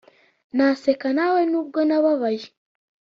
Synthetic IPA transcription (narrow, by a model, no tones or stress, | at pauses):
nasekanawenuβɡonaβaβaji